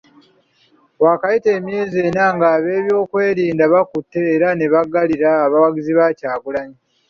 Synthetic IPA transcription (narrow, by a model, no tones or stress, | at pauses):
waːkajite̞ːmje̞ːzie̞ːnaŋɡaːβe̞ːβjo̞ːkwe̞ːɾiːndaβakutːe̞ːɾane̞βaɡaliɾaːβawaɡiziβacaːɡulaɲi